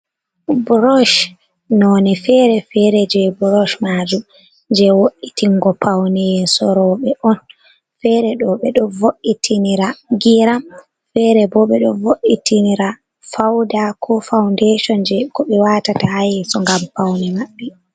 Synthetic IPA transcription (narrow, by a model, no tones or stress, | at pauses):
bɾɔʃ | nɔːnɛfɛɾɛfɛɾɛd͡ʒɛbɾɔʃmaːd͡ʒum | ɲd͡ʒɛwoʔitiŋɡɔpʰawnɛjsɔɾɔɓɛʔɔn | fɛɾɛɗɔɓɛɗɔvoʔitʰiniɾaɡiɾam | fɛɾɛbɔɓɛɗɔvoʔitiniɾa | fawdakʰɔfawndeʃɔnd͡ʒɛkɔɓɛwatatahajɛsɔŋɡampawnɛmaɓːɛ